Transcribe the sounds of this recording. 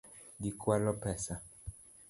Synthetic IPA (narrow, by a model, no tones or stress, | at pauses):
dikwalɔpɛsa